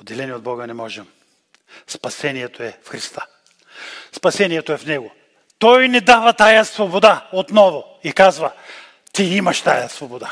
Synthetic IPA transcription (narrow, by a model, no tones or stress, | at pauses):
od̪ɛlɛniod̪̚bɔɡənɛmɔʒɛm | spɐsɛniɛt̪oɛfxɾist̪ḁ | spɐsɛniɛt̪oɛfnɛɡo | t̪ɔjnɛd̪avɐt̪ajɐsvobod̪aot̪nɔvo | ikazvɐ | t̪iimɐʃt̪ajɐsvobod̪a